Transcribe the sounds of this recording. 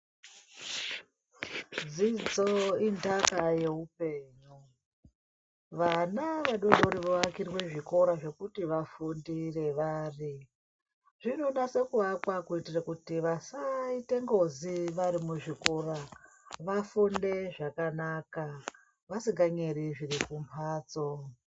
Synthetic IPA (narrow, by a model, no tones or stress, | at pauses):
d͡zid͡zoindakaje̞ɦupe̞ːɲu | ʋanaʋaɗonoɾiʋoakirwe̞ʐiko̞ɾaʐe̞kutiʋafundire̞ʋaːri | ʐ̥ino̞nase̞kuʋakwakuitirakutiʋasaite̞ŋɡoziʋaɾimuʐiko̞ra | ʋafunde̞ʐakanaka | ʋasiŋɡaɲeriʐirikumpʰaːt͡so